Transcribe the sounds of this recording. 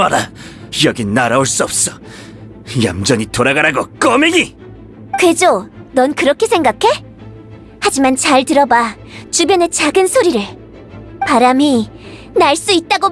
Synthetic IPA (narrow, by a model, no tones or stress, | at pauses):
aɾajʌɡinnːaɾaoɭs͈uʌp̚s͈ʌ | ja̰md͡ʑʌɲitoɾaɡaɾaɡok͈ʌmeɡi | kwe̞d͡ʑonʌnkɯɾʌkʰesʰe̞ŋɡakʰe̞ | had͡ʑimant͡ɕaɭtɯɾʌba | t͡ɕubjʌne̞t͡ɕaɡɯnsʰoɾiɾɯɭ | paɾami | naɭs͈uit̚t͈aɡo